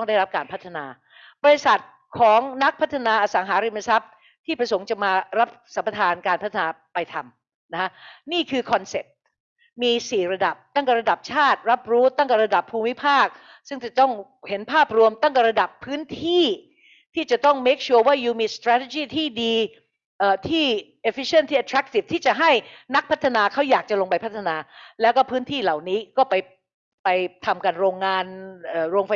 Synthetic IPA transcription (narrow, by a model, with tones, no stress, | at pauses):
t̪ɔ˥˩ŋdaː˥˩jɾa˦˥p̚kaː˧npʰa˦˥t̪ʰːa˧na̰ː˧ | bɔ˧ɾe˧sa˨˩t̪̚ | kʰɔː˩˦ŋna˦˥k̚pʰa˦˥t̪ʰːa˧naː˧ʔaː˧˩saː˩˦ŋɦaː˩˦ɾi˧ma˧sa˦˥p̚ | t̪ʰiː˥˩pɾa˧so˩˦ŋt͡ɕa˨˩maː˧ɾa˦˥p̚sa˩˦mpa˧t̪ʰaː˧nkaː˧npʰa˦˥t̪ʰːa˧naː˧pa˧jt̪ʰa˧m | na˦˥kʰa˦˥niː˥˩kʰɯː˧kʰɔ˧nse˨˩p̚ | miː˧siː˨˩ɾa˧da˨˩p̚t̪a˥˩ŋkɛ˨˩ɾa˧da˨˩p̚t͡ɕʰaː˥˩t̪̚ɾa˦˥p̚ɾuː˦˥t̪a˥˩ŋkɛ˨˩ɾa˧da˨˩pʰːuː˧mi˦˥pʰaː˥˩k̚ | sɯ˥˩ŋt͡ɕa˨˩t̪ɔ˥˩ŋ | he˩˦npʰaː˥˩p̚ɾu˧əmt̪a˥˩ŋkɛ˨˩ɾa˧da˨˩pʰːɯː˦˥nt̪ʰiː˥˩ | t̪ʰiː˥˩t͡ɕa˨˩t̪ɔ˥˩ŋmeː˦˥k̚t͡ɕʰu˧˥ɐwaː˥˩juː˧miː˧st̪ɾaː˦˥t̪ʰe˧˩t͡ɕiː˥˩t̪ʰiː˥˩diː˧ | ʔəː˨˩t̪ʰiː˥˩ʔe˧˩fi˦˥t͡ɕʰnt̪ʰiː˥˩a˧t̪ʰɾa˦˥k̚t̪i˨˩f̚t̪ʰiː˥˩t͡ɕa˨˩ɦa˥˩jna˦˥k̚pʰa˦˥t̪ʰːa˧naː˧kʰa˦˥wjaː˨˩k̚t͡ɕa˨˩lo˧ŋpa˧jpʰa˦˥t̪ʰːa˧naː˧lɛː˦˥wkɔː˥˩pʰɯː˦˥nt̪ʰiː˥˩la˨˩wniː˦˥kɔː˥˩pa˧j | pa˧jt̪ʰa˧mka˧nɾoː˧ŋːaː˧nʔɤː˨˩ɾoː˧ŋfa˧